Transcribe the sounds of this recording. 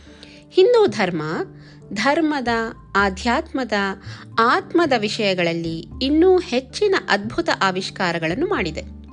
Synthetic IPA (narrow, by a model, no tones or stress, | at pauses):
hind̪uːd̪ʱɐɾmɐ | d̪ʱɐɾmɐd̪ɐ | aːd̪ʱjaːt̪mɐd̪ɐaːt̪mɐd̪ɐʋiʂɐjɐɡɐɭɐlːiːnːuːhe̞t͡ʃːinɐʔɐd̪̚bʱut̪ɐʔaːʋiʃkaːɾɐɡɐɭɐnːumaːɽid̪e̞